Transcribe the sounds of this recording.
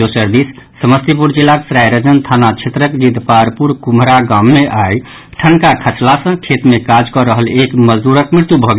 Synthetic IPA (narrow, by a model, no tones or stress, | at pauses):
osəɾd̪isːəməst̪ipuɾd͡ʒilːaksɾajɾəd͡ʒənt̪ʰanat͡ʃʰet̪ɾəkd͡ʒid̪paɾpuɾkumɾaɡamːeʔaj | ʈʰənkakʰəsʰlasə̃kʰet̪mekad͡ʒkɔɾəɦəlekməd͡ʒd̪uɾəkmɾiɾt̪jubʱɔɡe